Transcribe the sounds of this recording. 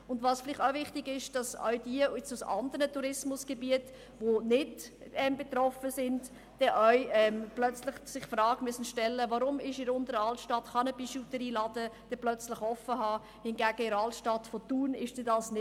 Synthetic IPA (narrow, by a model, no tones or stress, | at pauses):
ʊndvɑːsfɪlɪχtaʊvɪχtɪɡɪʃd̥ɑsœ̰ʏd̥iəɛt͡susɑ̰ndəɾnətuɾɪsmʊsɡ̥ebiət | ʋonɪdɛmbet̪ɾɔfəsɪnd | d̥ɛʔœʏɛmplœt͡slɪχsɪχfrɑːɡ̥mysən̩ʃtɛlːəvɑɾʊmɪʃɪɾʊnd̪əɾəɑltʃtɑtχɑnəpiʃutəɾiːlɑdəd̥ɛplœt͡slɪχɔfəɦɑː | hɪnɡæːɡ̥əɪɾɑltʃtɑtfot̪uːnɪʃd̥edɑsnɪ